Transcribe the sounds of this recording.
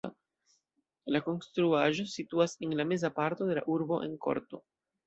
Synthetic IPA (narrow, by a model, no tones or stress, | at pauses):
lako̞nstɾuaʒo̞situase̞nlame̞zapaɾto̞de̞laʔuɾbo̞ʔe̞̰nko̞̰ɾto̞̰